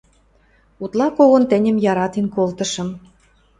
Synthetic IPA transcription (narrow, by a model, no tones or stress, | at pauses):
ut̪lɑkoɣont̪ɘ̆nʲə̆mjɑɾɑt̪inkolt̪ɤ̆ʃɤ̆m